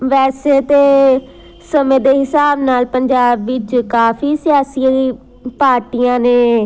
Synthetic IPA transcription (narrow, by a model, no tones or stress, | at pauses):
ʋɛːseːt̪eː | səmẽːd̪eːɦɪsaːbnaːlpəɲd͡ʒaːbːɪt͡ʃkaːpʰiːsɪjaːsi | paːɾʈijãːneː